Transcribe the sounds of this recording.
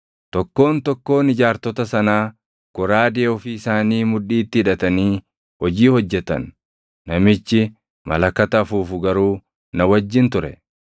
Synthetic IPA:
t̪ɔkːo̞ːnt̪ɔkːo̞ːnɪd͡ʒaːɾt̪ɔt̪ɐsɐnaː | kʊɾaːd̪ɪɔfɪɪsaːniːmʊᶑiːt̪ːɪɪᶑɐt̪ɐniː | hɔd͡ʒiːhɔd͡ʒːɛt̪ɐ̰nː | ɐmɪt͡ʃːɪ | mɐ̰lɐkːɐt̪ɐfuːfʊɡɐɾuː | nɐwɐd͡ʒːɪnt̪ʊɾɛ̰

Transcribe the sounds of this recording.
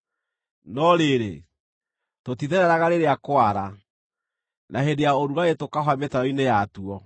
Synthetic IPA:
nɔɾeɾḛ | totiðɛɾɛɾaɣaɾeɾeakwaɾa | naɦendejaoɾuɾaetokaɦwametaɾɔinejatuɔ

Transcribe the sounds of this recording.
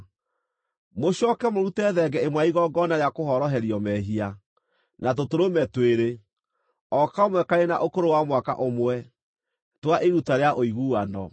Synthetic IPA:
moɕɔkɛmoɾutɛðɛɡɛemwaiɣɔɡɔnaɾeakoɦɔɾɔɦɛɾiɔmɛɦia | nat̬otoɾomɛtweɾe | ɔkaomwɛkaɾena̰ʔokoɾowamwaka̰ʔomwɛ | twaʔeɾutaɾeaʔoiɣuːanɔ

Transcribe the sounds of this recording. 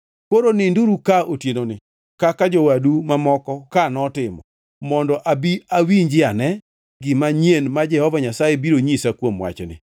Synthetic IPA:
koɾonɪnduɾukaotjenonɪ | kakad͡ʒowadumamɔkɔkanɔtɪmɔ̰ | mɔndɔʔabiawiɲd͡ʒɪanɛ | ɡɪmaɲenmad͡ʒɛhɔvaɲasajebiɾoɲisakwomwa̰t͡ʃnɪ̰

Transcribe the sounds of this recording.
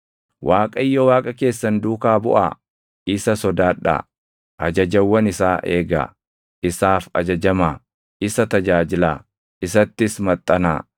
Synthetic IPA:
wʔaːkʼɐjːɔwaːkʼɐke̞ːsːɐnd̪uːkaːbʊ̰ʔa̰ | ʔɪsɐsɔd̪aːᶑa̰ | ʔɐd͡ʒɐd͡ʒɐwːɐnɪsaːʔḛːɡa̰ | ʔɪsaːfɐd͡ʒɐd͡ʒɐmaː | ɪsɐt̪ɐd͡ʒaːd͡ʒɪlaː | ɪsɐt̪ːɪsmɐt̪ʼːɐna̰ː

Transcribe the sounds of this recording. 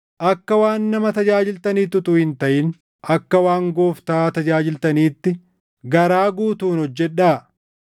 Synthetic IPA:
ʔɐkːɐwaːnːɐmɐt̪ɐd͡ʒaːd͡ʒɪlt̪ɐniːt̪ʊt̪ʊhɪnt̪ɐʔɪn | ʔɐkːɐwaːŋɡo̞ːft̪aːt̪ɐd͡ʒaːd͡ʒɪlt̪ɐniːt̪ːɪ | ɡɐɾaːɡuːt̪uːnhɔd͡ʒːɛᶑːaː

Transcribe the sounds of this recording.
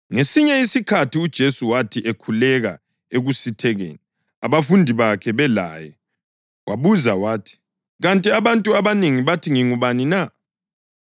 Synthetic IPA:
ŋesiɲɛisikʰatʰiud̥ʒ̥ʱesuwatʰiʔekʰulɛɣa̰ | eɣusitʰɛɣḛːni | aβafundʱiβakʰɛβɛla̰ːjɛ | waβuzawaːtʰi̥ | ɣantʼiaβantʼuaβaneŋiβatʰiŋiŋuβanina

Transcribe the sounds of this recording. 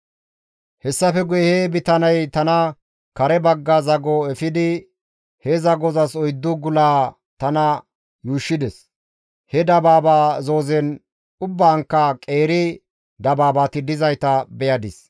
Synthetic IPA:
hɛsːɐfɛɡʊjɛhɛbɪt̪ɐnɐjt̪ɐnɐ | kɐɾɛbɐɡːɐzɐɡɔɛfɪd̪ɪ | hɛzɐɡɔzɐsɔjd̪ːʊɡʊlaː | t̪ɐnɐ | juːʃːɪd̪ɛs | hɛd̪ɐbaːbaːzo̞ːzɛn | ʊbːaːŋkːɐkʼe̞ːɾɪ | d̪ɐbaːbaːt̪ɪd̪ɪzɐjt̪ɐbɛjɐd̪ɪs

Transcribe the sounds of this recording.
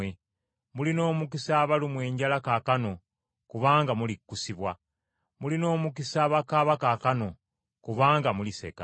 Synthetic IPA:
e | mulino̞ːmukisaːβalumwe̞ːɲɟalakaːkano̞ | kuβaːŋɡamulikːusiβwa | mulino̞ːmukisaːβakaβakaːkano̞ | kuβaːŋɡamulise̞̰ka

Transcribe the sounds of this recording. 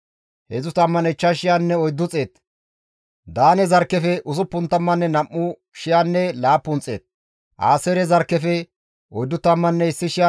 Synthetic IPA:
hɛzʊt̪ɐmːɐnɛt͡ʃːɐʃɪjanːɛɔjd̪ːʊt͡sʼe̞ːt̪ | d̪aːnɛzɐɾkːɛfɛʔʊsʊpːʊnt̪ːɐmːɐnːɛnɐmːʊ | ʃɪjanːɛlaːpːʊnt͡sʼːḛːt̪̚ | ʔa̰ːsɛɾɛzɐɾkːɛfɛ | ɔjd̪ːʊt̪ɐmːɐnːɛɪsːɪʃɪja

